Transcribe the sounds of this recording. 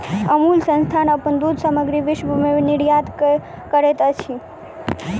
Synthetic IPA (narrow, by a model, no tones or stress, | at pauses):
əmulsə̃nst̪ʰanəpənd̪ud̪səməɡɾiʋɪʃbʱuminɪɽjat̪ | kəɾet̪ət͡ʃʰi